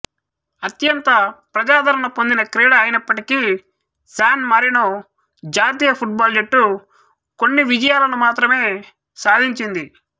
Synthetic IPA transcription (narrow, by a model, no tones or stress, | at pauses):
ɐt̪jɐnt̪ɐpɾɐd͡ʒaːd̪ʱɐɾɐɳɐpo̞nd̪inɐkɾiːɽɐːjinɐpːɐʈiki | saːnmɐɾino | d͡ʒaːt̪̬iːjɐpʰuʈ̚baːld͡ʒeʈːu | ko̞nːiʋid͡ʒɐjaːlɐnumaːt̪ɾɐme̞ː | saːd̪ʱiɲt͡ʃind̪i